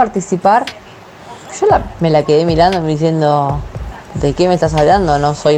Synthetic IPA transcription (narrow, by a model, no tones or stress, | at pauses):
aɾt̪isipaɾ | ʃolame̞lake̞ðemiɾand̪omeðiθje̞nd̪o | d̪ekemest̪as̬aʎand̪onosoj